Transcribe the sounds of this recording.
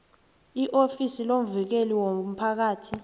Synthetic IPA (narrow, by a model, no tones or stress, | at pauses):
iʔofisilom̩vik̬eliwom̩pʰak̬aːtʰi